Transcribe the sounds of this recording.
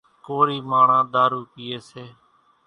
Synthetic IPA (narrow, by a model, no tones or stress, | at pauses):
koːɾiːmaːɳãːd̪aːɾuːkɪːeːseː